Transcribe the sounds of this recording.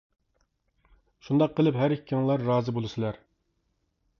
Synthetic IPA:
ʃund̪ɑqʰːəlˠɨpɦæɾikʲːiŋlˠɑɾːɑːzɨbolˠɨsɨlˠɑɾ

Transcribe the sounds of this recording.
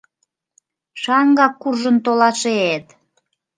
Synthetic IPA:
ʃɑŋɡɑkːurʒənt̪olɑʃeet̪

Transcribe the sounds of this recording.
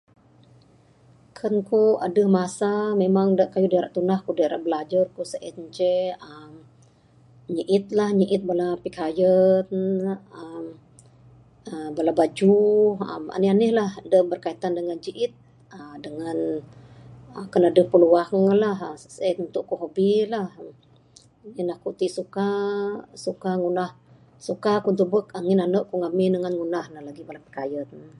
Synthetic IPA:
kʰənkua̰dəhmasamemaŋdaʔkajudəaɾaʔt̪unahkudəaɾaʔbəlad͡ʒarkusəʔit̪̚ɲt͡ʃeəm | ɲəʔɪt̪̚lahɲəʔɪt̪̚balapikajənəm | əbalabad͡ʒuə̰ma̰nɪanɪhlahdəbərkait̪andəŋand͡ʒiʔɪt̪̚ | ədəŋan | əkənadəpəluaŋəlaɦsət̪unt̪ʊʔkuɦobilah | ninahkut̪iʔsuka | sukaŋunah | sukakunt̪uʔbək̚aŋɪnanəʔkuŋamindəŋanŋunahnəhlaɡibalapi̥kajət̪

